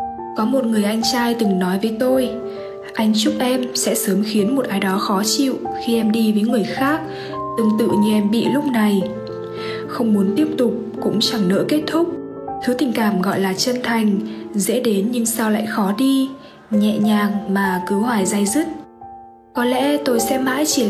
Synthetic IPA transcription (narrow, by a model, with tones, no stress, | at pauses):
kɔ˨˦mo˨˩t̚ŋɨ˨˩əjʔa˧jŋ̟t͡ɕaː˧jt̪ɨ˨˩ŋnɔ˨˦jvəː˨˦jt̪o˧j | ʔa˧jŋ̟t͡ɕʊ˦˥k͡p̚ʔɛ˧msɛ̰˧˥səː˨˦mxi˨˦ənmo˨˩t̚ʔaː˨˦jɗɔ˨˦xɔ˨˦t͡ɕḭ˧˨wxi˧ʔɛ˧mɗi˧vəː˨˦jŋɨ˨˩əjxaː˦˥k̚ | t̪ɨ˨˩ŋt̪ɨ̰˧˨ɲɨ˧ʔɛ˧mɓḭ˧˨lʊ˦˥k͡p̚na˨˩j | xə˧wŋ͡mmu˨˦nt̪i˦˥əp̚t̪ʊ˨˩k͡p̚kʊ̰˧˥ŋ͡mt͡ɕa˧˩ŋnə̰ː˧˥ke˦˥t̚t̪ʰʊ˦˥k͡p̚ | t̪ʰɨ˨˦t̪ï˨˩ŋ̟kaː˧˩mɣɔ̰˧˨jlaː˨˩t͡ɕə˧nt̪ʰa˨˩jŋ̟zḛ˧˥ɗe˨˦nɲɨ˧ŋsaː˧wla̰ː˧˨jxɔ˨˦ɗi˧ | ɲɛ̰˧˨ɲaː˨˩ŋmaː˨˩kɨ˨˦hwaː˧˩jzaː˧jzɨ˦˥t̚ | kɔ˨˦lɛ̰˧˥t̪o˧jsɛ̰˧˥ma̰ː˧˥jt͡ɕi˧˩